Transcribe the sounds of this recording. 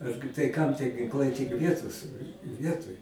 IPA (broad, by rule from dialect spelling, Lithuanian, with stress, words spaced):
ˈɐrʲɡʲɪ tɐɪ kɐm tʲiɛ ɡʲɪŋˈklˠɐɪ tʲɪk ˈʋʲiɛtoːs ˈʋʲiɛtoːj